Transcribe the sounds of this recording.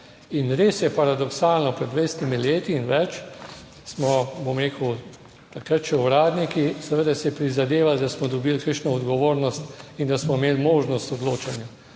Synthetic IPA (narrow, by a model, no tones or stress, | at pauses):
inɾeːsjɛpaɾad̪ɔksaːlnɔpɾɛd̪ʋejst̪imileːt̪iːnʋɛt͡ʃ | smɔbomɾeːkəw | t̪akɾat̪ʃɛɔɾaːd̪nikisɛʋəd̪asɛpɾizad̪eːʋald̪asmɔd̪ɔbilkəʃnɔɔd̪ɡɔʋoːɾnɔst̪ind̪asmɔimeːlmoːʒnɔst̪ɔd̪loːt͡ʃanja